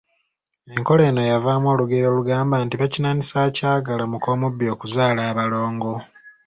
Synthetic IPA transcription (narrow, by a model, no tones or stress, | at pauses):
e̞ŋko̞le̞ːno̞javaːmwo̞ːluɡeɾo̞ːluɡaːmbaːntiβacinanisaːcaːɡalamuko̞ːmubːio̞ːkuzaːlaːβalo̞ːŋɡo̞